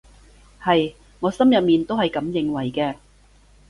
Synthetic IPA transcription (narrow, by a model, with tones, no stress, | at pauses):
hɐ˨j | ŋɔː˨˧sɐ˥mjɐ˨p̚miː˨nt̪o˥whɐ˨jkɐ˨˥mjɪ˨ŋwɐ˨˩jkɛː˧